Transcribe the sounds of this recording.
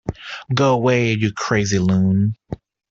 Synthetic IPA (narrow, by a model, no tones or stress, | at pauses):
ɡoʊəweɪɨjɨkʰɹ̥eɪzilũn